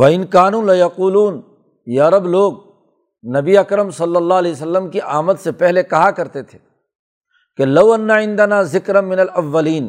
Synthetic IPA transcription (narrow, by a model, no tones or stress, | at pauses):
ʋɐɪnkaːnũːlɐjɐquːluːn | jaːɾɐbloːɡ̚ | nɐbiɐkɾəmsɐlːɐlːaːɐles̬ɐlːəmkiʔaːmət̪sepɛɦlekɐɦakɐɾt̪et̪ʰe̥ː | kelɐwɐnːaʕɪ̃nd̪ɐnaːzɪkɾɐmɪnɐlɐʋːɐliːn